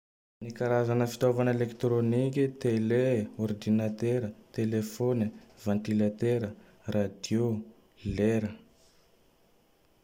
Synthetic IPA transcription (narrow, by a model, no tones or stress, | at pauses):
nikaɾazanəfi̥t̪ovanelekt̪ɾonikʲit̪eleɔrd̪inat̪eɾət̪elefonivãnt̪ilat̪eɾə | rad̪jo | leɾə